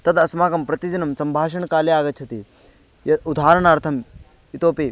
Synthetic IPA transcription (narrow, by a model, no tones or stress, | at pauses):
t̪ɐd̪ɐsmaːkɐmpɾɐt̪id͡ʒɐnɐmsɐmbʱaːʃɐɳkaːliaːɡɐt̪t͡ʃʰɐt̪i | jɐud̪ʱaːɾɐɳaːɾt̪ʰɐm | it̪oːpeː